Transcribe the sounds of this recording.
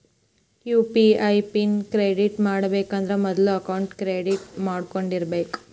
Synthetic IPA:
kjuːpiɐjpinkɾeːɖiʈmaːɽɐbeːkɐnd̪ɐɾemɔd̪ɐluɐkɐwɳʈkɾeːɖiʈmaːɽkoɳɖiɾɐbeːku̥

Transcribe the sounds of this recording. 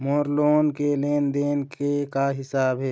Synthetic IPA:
moːɾloːnkeleːnd̪eːnkekaɦɪsaːbɦɛː

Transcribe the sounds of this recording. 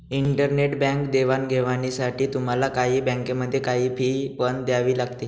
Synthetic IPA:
iɳʈəɾneʈbɛ̃ŋkd̪eʋanɡʱeʋaɽ̃isaʈiːt̪um̤alakaɦiːbɛ̃ŋkeməd̪ʱːjekaɦiːpʰiːpəɳd̪jaʋiːlaɡt̪iː

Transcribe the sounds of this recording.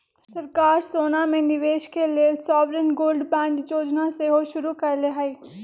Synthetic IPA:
sɐɾkaːɾsoːnamẽnɪʋeːʃkeleːsɔːʋɾenɡoːlɖbɛ̃ːɳɖd͡ʒoːd͡ʒnaseɦoʃʊɾukɐɾleɦai

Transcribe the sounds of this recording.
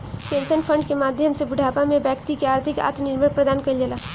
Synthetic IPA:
pẽnsənpʰə̃ɳɖ̚kemaːd̪ʱjəmsebɪɖʱaːpamẽbjɛkt̪ikeaːɾt̪ʰɪka̰ːt̪nɪɾməɽpɾəd̪aːnkəld͡ʒelaː

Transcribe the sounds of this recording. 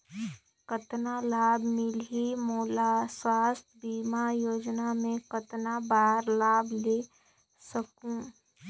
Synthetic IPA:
kət̪nalaːbmɪlɦimoːlaswaːst̪ʰbiːmajoːd͡ʒnamẽkət̪nabaːɾlaːble | səkũ

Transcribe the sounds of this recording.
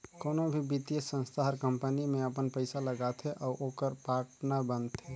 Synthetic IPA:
koːnõbʱibit̪ijəsə̃nst̪ʰaɦəɾkə̃mpənimẽəpənpəɪsaləɡat̪ʰɦɛʔɔːɾʔokəɾpaːʈnabənt̪ʰɦɛ

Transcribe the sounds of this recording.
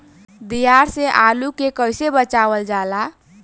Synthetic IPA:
d̪ijaɾseʔalukekəjsebət͡ʃaʋəld͡ʒala

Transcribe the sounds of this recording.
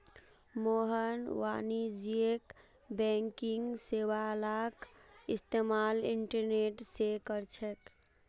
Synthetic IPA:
moɦənwa̰nid͡ʒiek | bɛŋkiŋɡsewalakist̪emaliɳʈəɾneʈsekəɾt͡ʃʰɛk

